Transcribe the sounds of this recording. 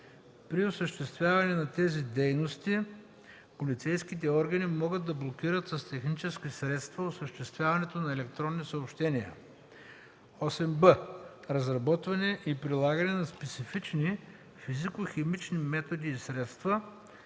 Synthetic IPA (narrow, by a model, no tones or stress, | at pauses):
pɾiosəʃt̪ɛst̪vʲjavɐnɛnɐt̪ɛzid̪ɛjnost̪i | polit̪sɛjskit̪ɛɔɾɡɐnimɔɡəd̪ːɐblˠok̟iɾət̪sɐst̪ɛxnit͡ʃɛskisɾɛt̪st̪vɐosəʃt̪ɛst̪vʲjavɐnɛt̪onɐɛlɛkt̪ɾɔnːisɐopʃt̪ɛniə̰ | ɔsɛmbəɾɐzɾɐbɔt̪vɐnɛʔipɾilˠaɡɐnɛnɐspɛt̪sifit͡ʃni | fizikʊxɛmit͡ʃnimɛt̪od̪iːsɾɛt̪st̪vɐ